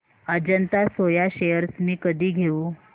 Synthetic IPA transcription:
əd͡ʑənt̪asojaɕejəɾsmiːkəd̪ʱiːɡʱeuː

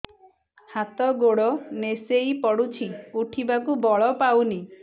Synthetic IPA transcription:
hat̪ɔɡoɽɔnesejpɔɽut͡ʃʰiuʈʰibakubɔɭɔpawni

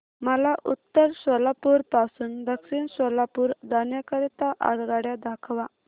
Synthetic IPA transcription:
məlaʔut̪ːəɾsɔlapuɾpasuːnd̪əksiːnɕɔlapuːɾd̪anjəkəɾit̪aʔa̰ɽɡaɽjad̪ʱakʰʋa

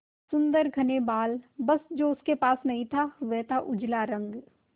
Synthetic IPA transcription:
sʊ̃nd̪əɾɡʱɐnebaːlbɐsd͡ʒoːʊskepaːsnɐɦĩt̪ʰaʋɛːt̪ʰaʔʊd͡ʒlaɾɐ̃ŋɡ

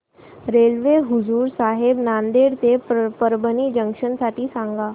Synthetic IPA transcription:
ɾelʋeɦuzuːɾsaɦebnand̪eɾt̪epəɾbənid͡ʑəŋkʂənsaʈʰiːsãŋɡa

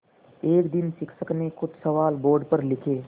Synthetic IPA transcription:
eːkd̪ɪnsɪksəknekʊd̪sɐʋaːlboːɾɖpɐɾlɪkʰeː

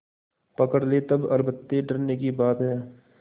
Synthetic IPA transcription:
pɐkəɽlet̪ɐbɐɾbət̪ːeɖɐɾnekibaːt̪ɦɛː

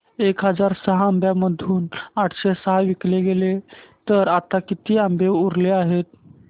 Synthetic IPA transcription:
ekɦəd͡zaɾsəɦaambjaməd̪ʱuːnaʈʰɕesəɦaʋikleɡelet̪əɾat̪akit̪iːambeuɾleaɦet̪̚

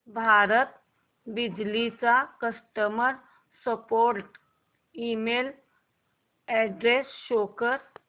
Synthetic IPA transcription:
bʱaɾət̪ | bid͡ʑlit͡sakəsʈəməɾ | səpoɾʈ | iːmel | ɛɖɾesʃoːkəɾ

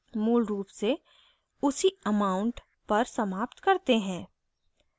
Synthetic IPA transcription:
muːlɾuːpse | ʊsiəmaːʊ̃ɳʈ | pɐɾsɐmaːpt̪kɐɾt̪eɦɛ̃ː

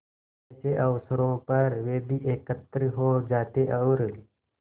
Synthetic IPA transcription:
t͡ʃeʔɐʋsəɾõːpəɾʋeːbiʔeːkət̪ːɾəɦoːd͡ʒaːt̪eʔɐʊɾ

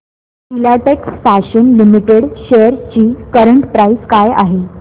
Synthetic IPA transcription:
ilaʈeksfaɕənlimiʈeɽɕejəɾt͡ɕiːkəɾəɳʈpɾaiskaja̰ɦe

